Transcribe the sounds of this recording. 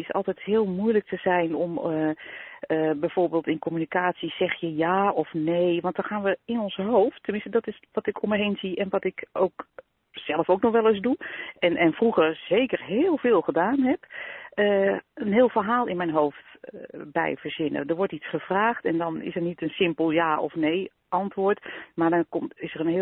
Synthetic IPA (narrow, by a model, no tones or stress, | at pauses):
ɪsɔ̰lˠtɛjthɪːlˠmujlək̚tʰəzɛjnɔm | əbɛjv̥oːɹbeːlˠtɪnkɔmynikaːtsisɛxjəjaːɔfneːjʋɑnt̚dɔxaːnʋəɪnɔnsɦowftʰːəmɪnstədɔtɪsʋɔtɪkʰomɛɦeːnziʔɛnʋɔtɪkowk | z̥ɛlˠəfowknɔxʋɛlˠɪsduɛnʔɛnfruɣərz̥eːkərɦɪːlˠvɪːlˠxədaːnɦɛpəənɦɪːlˠfərɦaːlˠɪnmɛjnɦoːftbɛ̰jvərzɪnə̰dəɹʋɔɹtitsχəv̥raːxtɛndɔnɪ̰sərnitənsɪmpəlˠjaːɔ̰fneː | ʔɑntʋʊːɹtmaɹdɔnkɔmtɪsərənɦɪ